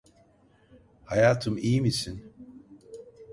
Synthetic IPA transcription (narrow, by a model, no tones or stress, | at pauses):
hajaːt̪ʰɯmijmisin